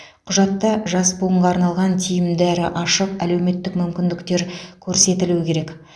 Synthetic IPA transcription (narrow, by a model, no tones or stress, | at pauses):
qʰʊʒɑt̪ːɑʒɑsbʊəɴʁɑːɾnɑlˠʁɑnt̪ʰijɪmd̪æɾɪʔɑʃəqæle̞wme̞t̪ːɪkmʏmkʲɪnd̪ɪkt̪e̞ɾkʲʰɵɾse̞t̪ɪluɪkʲʰe̞ɾe̞k